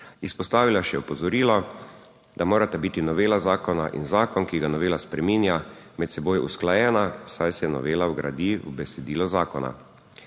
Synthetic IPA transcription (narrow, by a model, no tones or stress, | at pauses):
ispɔst̪aːʋilaʃɛɔpɔzɔɾiːlɔ | d̪amoːɾat̪ɛbiːt̪inɔʋeːlazaːkɔnaʔḭnzaːkɔnkiɡanɔʋeːlaspɾɛminjamɛt̪sɛboːjɛṵsklajɛːnasajsɛjɛnɔ̰ʋeːlawɡɾa̰d̪iwbɛsɛd̪iːlɔzaːkɔna̰